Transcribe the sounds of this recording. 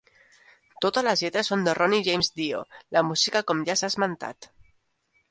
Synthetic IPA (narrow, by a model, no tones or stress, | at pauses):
t̪ot̪ələzʎɛt̪ɾəsond̪ərʔɔniʒejmzd̪io̰ləmuzikakɔmʎasazmant̪a̰t̪